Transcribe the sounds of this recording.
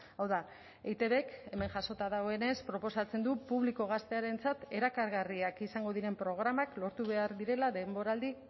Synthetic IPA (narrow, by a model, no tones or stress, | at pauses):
awða | ejt̪e̞βe̞ke̞me̞ŋʝaso̞t̪aðaɣoe̞ne̞spɾo̞po̞sat͡se̞nd̪upuβliko̞ɣ̞ast̪e̞aɾe̞nt͡sat̪e̞ɾakaɾɣariakisaŋɡo̞ðiɾe̞mpɾo̞ɣ̞ɾamaklo̞ɾt̪uβe̞aɾðiɾe̞laðe̞mbo̞ɾald̪i